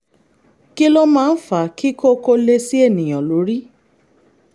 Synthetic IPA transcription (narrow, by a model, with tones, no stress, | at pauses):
ki˦lo˦mãː˦˧n̩˦fa˨ki˦kʰo˦ko˧le˧si˦e˦˨nĩ˨j̃ɔ̃˨lo˨˦ɾi˦